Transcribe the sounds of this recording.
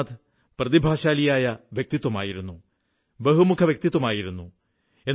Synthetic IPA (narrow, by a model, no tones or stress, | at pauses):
d̪ | prɐðibʱaːɕaːlijaːjɐʋjeɐk̚t̪it̪ːwɐma̰ːjiɾunːu | bɐɦumukʰɐʋjɐk̚t̪it̪ːwɐmaːjiɾunːu | enː